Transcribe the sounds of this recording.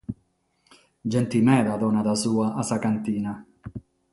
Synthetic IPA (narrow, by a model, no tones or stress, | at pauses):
d͡ʒɛnt̪imɛːd̪ad̪ɔnad̪asuːaʔasakant̪iːna